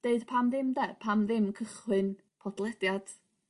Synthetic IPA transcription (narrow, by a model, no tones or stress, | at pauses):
d̥eɨd̥pʰamðɪmdɛpʰamðɪmkʰəχwɨn | pʰɔdlˠɛdjad̥